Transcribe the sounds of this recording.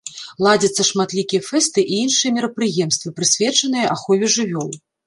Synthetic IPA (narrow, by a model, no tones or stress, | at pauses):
lˠad͡zʲɐt̪sːɐʂmat̪lʲikʲijɐfɛst̪ɨʔiinʂɨjɐmʲiɾɐpɾɨjɛmst̪vɨpɾɨsʲvʲɛt͡ʂɐnɨjɐʔaxɔvʲiʐɨvʲɔlˠ